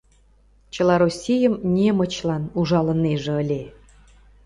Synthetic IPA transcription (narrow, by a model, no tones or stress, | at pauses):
t͡ɕə̆lɑɾosʲijəmnʲemə̆t͡ɕlɑnuʒɑlə̆neʒĕəlʲe